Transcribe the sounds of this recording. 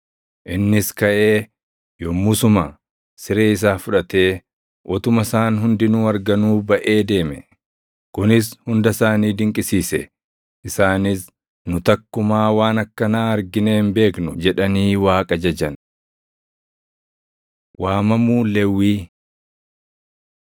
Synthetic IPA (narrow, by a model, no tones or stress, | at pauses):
ʔɪnːɪskɐʔe̞ː | jɔmːʊsʊmɐ | sɪɾeːɪs̬aːfʊᶑɐt̪e̞ː | ʔɔt̪ʊmɐsaːnɦʊnd̪ɪnuːɐɾɡɐnuːbɐʔe̞ːd̪e̞ːmɛ̰ | kʊnɪshʊnd̪ɐsaːniːd̪ɪŋkʼɪsiːsɛ̰ | ʔɪsaːnɪs | nʊt̪ɐkːʊmaːwaːnɐkːɐnaːɐɾɡɪneːnbe̞ːknʊd͡ʒɛᶑɐniːwaːkʼɐd͡ʒɐd͡ʒɐn | wʔaːmɐmuːlɛwːiː